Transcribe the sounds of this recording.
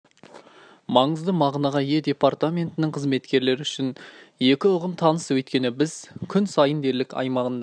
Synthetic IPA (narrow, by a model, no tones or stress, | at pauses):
mɑɴəzd̪əmɑʁnɑʁɑje̞d̪ʲe̞part̪amʲe̞nt̪ɪnɪɴqʰəzme̞t̪kʲe̞ɾle̞ɾɪʏʃɪn | je̞kʲɪʊʁəmt̪ʰɑnəswɵt̪kʲe̞nɪbɪz̥kʲʰʏnsɑjənd̪e̞ɾlɪkʲʰɑ̰jmɑʁənd̪ɑ